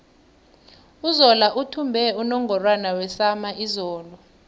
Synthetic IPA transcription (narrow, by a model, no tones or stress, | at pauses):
uzɔlaʔutʰumbʱɛunɔŋɡʱɔrwanawɛsamaʔizɔːlɔ